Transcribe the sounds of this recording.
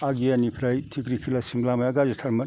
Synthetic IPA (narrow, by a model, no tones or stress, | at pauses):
aɡijanipʰɾajtʰikɾikʰilasimblamajaɡad͡ʒitʰɐɾmɐn